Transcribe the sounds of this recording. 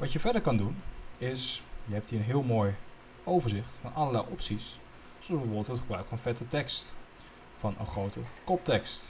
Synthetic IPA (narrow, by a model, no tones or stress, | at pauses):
ʋɑtjəvɛdəɹkɑndunɪsjəɦɛpthiːɹənɦɪəlˠmoːj | ʔowvəɹzɪχtfɑnʔɑləɹlɛjʔɔpsis | soʊzbɛvoːbɪlˠtɦətχəbraɥkfɑnfɛtətɛkst | fɑnʔə̰nχrowtəkɔp̚tɛkst